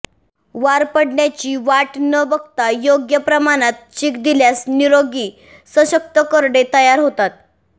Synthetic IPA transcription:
ʋaɾpəɽɳjat͡ɕiːʋaʈnəʋəɡt̪ajoɡjəpɾəmaɽ̃at̪̚t͡ɕikd̪iljasniɾoɡiː | səɕək̚t̪əkəɾɽet̪əjaɾɦot̪at̪̚

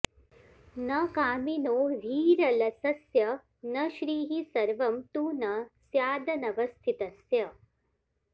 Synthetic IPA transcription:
nɐkaːminoːdʱiːɾɐlɐsɐsjɐ | nɐʃɾiːɦisɐɾʋɐmt̪uːnɐsjaːd̪ɐnɐʋɐst̪ʰit̪ɐsjɐ

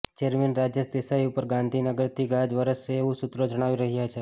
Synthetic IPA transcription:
t͡ʃeɾmenɾad͡ʒjəsd̪esaiupəɾɡãnd̪ʱinəɡəɾt̪ʰiɡãd͡ʒʋəɾəseːʋũsut̪ɾod͡ʒəɽ̃aʋiɾəɦjat͡ʃʰe

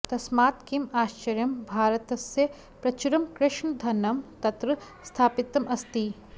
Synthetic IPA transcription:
t̪ɐsmaːt̪kimaːʃt͡ʃɐɾjɐmbʱaːɾɐt̪ɐsjɐ | pɾɐt͡ʃuɾɐmkɾɪʂɳɐd̪ʱɐnɐmt̪ɐt̪ɾɐ | st̪ʰaːpit̪ːɐmɐst̪i

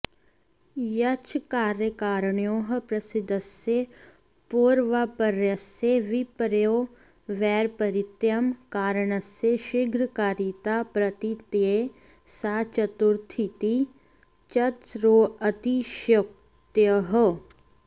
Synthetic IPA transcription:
jɐt͡ʃkaːɾjəkaːɾəɳjoːɦpɾɐsɪd̪əsje | poːɾʋapəɾjɐseʋipəɾjoː | ʋɛːɾpɐɾɪt̪jɐmkaːɾəɳɐseʃɪɡɾkaːɾit̪apɾɐt̪it̪e | saːt͡ʃɐt̪uɾt̪ʰit̪i | t͡ʃɐt͡ʃɾoːɐt̪iʃɐk̚ | t̪jəɦə

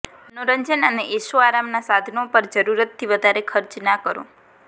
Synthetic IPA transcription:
noɾəɲd͡ʒənəneʔesoaɾamnasad̪ʱnopəɾd͡ʒəɾuɾət̪ʰːiʋəd̪ʱaɾekʰəɾt͡ʃnakəɾõ̰

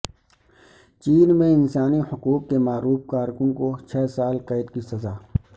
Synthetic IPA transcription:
t͡ʃiːnmẽɪnsaːnihʊquːqːemaːɾuːfkaːɾkʊnkot͡ʃʰɛːsaːlqeːd̪kisɐzaː

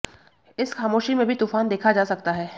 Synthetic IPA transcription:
ɪsxaːmoːʃimẽbʱit̪uːfaːnd̪eːkʰad͡ʒaːsɐk̚t̪aɦɛː

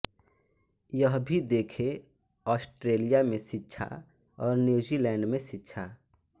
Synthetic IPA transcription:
jəɦbʱid̪eːkʰe | ɔːsʈɾeːlijamẽsɪtːʃʰa̰ | ɔːɾnjuːzilɛ̃ːɳɖmẽsɪtːʃʰa

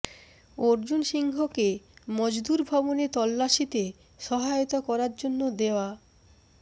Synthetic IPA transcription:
oɾd͡ʑunʃiŋɡʱokemɔd͡ʑd̪uɾbʱɔbonet̪ɔlːaʃit̪e | ʃɔɦajot̪okɔɾaɾd͡ʑonːod̪eoa

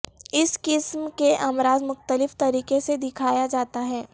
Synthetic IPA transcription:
ɪskɪsmkeʔaːmɾaːzmʊxt̪əlɪft̪ɐɾiːkesed̪ɪkʰaːjad͡ʒaːt̪aɦɛː

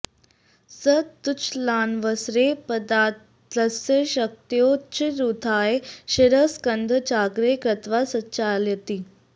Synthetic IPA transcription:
sət̪ut͡ʃʰlaːnʋəsɾepəd̪a | ləsjəɕək̚t̪jot͡ɕiɾut̪ʰaːeɕiɾəskənd̪ʱət͡ɕaːɡɾekɾət̪ʋasətːɕaːljət̪i

